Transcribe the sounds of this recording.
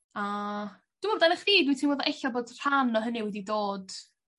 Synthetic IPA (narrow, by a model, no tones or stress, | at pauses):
a | d̥umɔdanəχriːdwitʰinwɔðɔʔɛɬɔboːdr̥anɔɦəniwɛdidoːd̥